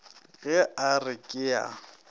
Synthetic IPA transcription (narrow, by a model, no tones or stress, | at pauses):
ɣɛarɪkʼɪa̰